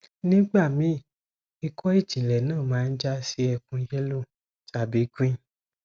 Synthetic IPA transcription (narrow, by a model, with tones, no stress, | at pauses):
nĩ˦ɡ͡ba˦˨mĩ˨˦ | i˧kʰɔ˦i˦˨d͡ʒĩ˨lɛ˨nãː˦˨mãː˨˦˧n̩˦d͡ʒa˦si˦ɛ˧kũ˧˦jɛ˦lo˦˨ | ta˨bi˨˦kĩ˦